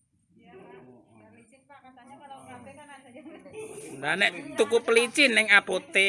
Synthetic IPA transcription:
nd̪aneʔt̪ukupəlit͡ʃinɪŋab̥ot̪e

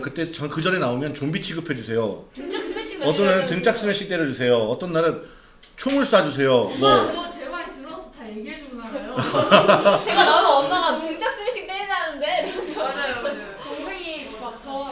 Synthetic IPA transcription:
kɯt͈e̞t͡ɕʌkɯd͡ʑʌne̞naomjʌnt͡ɕombit͡ɕʰiɡɯpʰe̞d͡ʑusʰe̞jotŋt͡ɕas͈eɕiʌt͈ʌnːaɾɯntɯŋt͡ɕ͈ak̚s͈ɯmeɕ͈ʰik̚t͈eɾɯd͡ʑusʰe̞joʌt͈ʌnːaɾɯn | t͡ɕʰoŋuɭs͈uɦad͡ʑus̬ʰe̞jomʌt͡ɕemaɾtɯɾʌsʰʌtajeɡiɦed͡ʑonaɡajo | t͡ɕeɡananʌʌntɯŋt͡ɕ͈ak̚s͈ɯmeɕʰik̚t͈eed͡ʑanɯnde | oŋʰeɡi | at͡ɕʰʌ

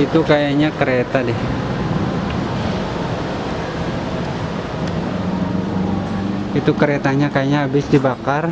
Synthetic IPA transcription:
it̪ukajaɲakəɾet̪adɛh | it̪ukəɾet̪aɲakajaɲaɦabɪsdibakar

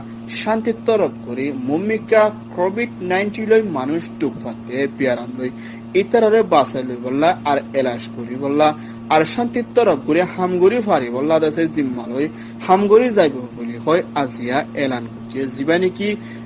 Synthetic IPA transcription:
ʃant̪it̪ɔɾɔp̚ɡoɾimomːikakɔbiɖnajnʈilojmanuʃd̪uk̚fʰat̪ːebiaɾamloj | et̪aɾaɾebasajlojbɔlːaaɾɛlaʃkoɾibɔlːa | aɾʃant̪it̪ːɔɾɔp̚ɡoɾihamɡoɾifaɾibɔlːad̪ɛsezimːaloj | hamɡoɾizajbɔboliɦɔjazijaɛlankotiezibaniki

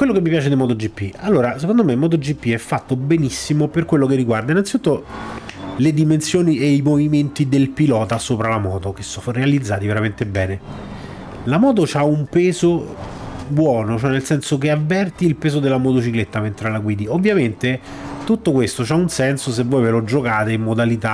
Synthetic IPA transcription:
kwelːokemːipjaːt͡ʃed̪emɔːt̪od͡ʒipːialːoːɾasekond̪omemɔːt̪̬od͡ʒipːiɛfːat̪ːobenisːimoperkwelːokerːiɡward̪ainːant̪sit̪ut̪ːo | led̪imensjoːniʔeimoviment̪id̪elpilɔːt̪asoːpɾalamɔːt̪ok̟esɔrealid̪zːaːt̪iveɾament̪ebːɛːne | lamɔːt̪̬ot͡ʃaumpeːzo | bwɔːnot͡ʃoɛnelsɛnsokeavːɛrt̪iːlpeːzod̪elːamot̪ot͡ʃiklet̪ːament̪ɾalakwiːd̪iovːjament̪e | t̪ut̪ːokwest̪ot͡ʃaunsɛnsos̬evːɔjvelod͡ʒokaːt̪eimːod̪alit̪a

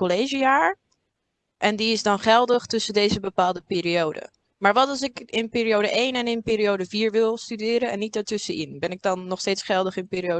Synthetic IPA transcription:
kɔlejʒijaːɹ | ʔɛndiɪzdɑnχɛlˠdəχtɵsədejzəbəpaːlˠdəpɪːɾiowdə̰ | maːɹʋɑtɑlˠs̬ɪkɪnpɪːɾiowdəʔejnɛnɪnpɪːɾiowdəviːɹʋɪlˠstydɪːɾənɛnːit̚daːɹtɵsəɪnbɛnɪɡ̚dɑnːɔχsteːtsχɛlˠdəχɪnpɪːɾio

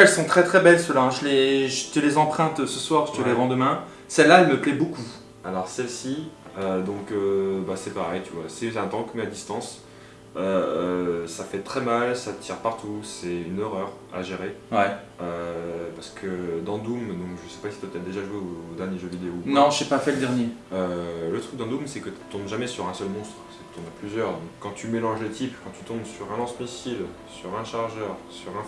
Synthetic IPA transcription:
ɛlsɔ̃t̪χɛt̪χɛbɛlsəlaɛ̃ʒəleʒət̪əlezɑ̃pχɛ̃t̪øsəswaʁʒət̪əleʁɑ̃d̪əmɛ̃ | sɛlːaɛlməplɛboku | alɔʁsɛlsiød̪ɔ̃købasɛpaʁɛjt̪yvwasɛɛ̃t̪ɑ̃kmead̪ist̪ɑ̃s | ø | safɛt̪χɛmalsat̪ʰɛʁpaʁt̪usɛynøʁœʁa̰ʒeʁewɛ | øpaʁsə̥kʰəd̪ɑ̃d̪umd̪ɔ̃kʒəsɛ̥pasi̥t̪yat̪ad̪eʒaʒweod̪ɛnjeʒøvid̪eonɔ̃ʒepafɛləd̪ɛʁnjeølət̪χyk̚d̪ɑ̃d̪umsɛkət̪y̥t̪ɔ̃bʒamɛsyʁɛ̃sœlmɔ̃st̪χsɛ̥tyt̪ɔ̃baplyzjœʁd̪ɔ̃kːɑ̃t̪ymelɑ̃ʒlet̪ipkɑ̃t̪ʰy̥t̪ɔ̃bsyʁɛ̃nɑ̃smisil | syʁɛ̃ʃaʁʒœʁsyʁɛ̃

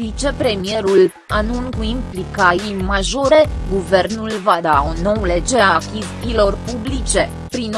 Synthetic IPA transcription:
it͡ʃe̞pɾe̞mije̞ɾul | anunkuimplikaijmaʒo̞ɾe̞ɡuvernulvad̪auno̞le̞d͡ʒeɾeakʲizpilo̞rpublit͡ʃe̞ | pɾin

